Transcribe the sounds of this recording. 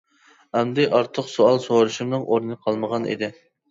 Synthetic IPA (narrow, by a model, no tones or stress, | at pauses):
ɛmd̪ɪʔɑɾt̪ʰəqsoɑlˠsowɑɾuʃumnɨŋʔoɾnɨnɨqʰɑlˠməʁɑnḭd̪ɪ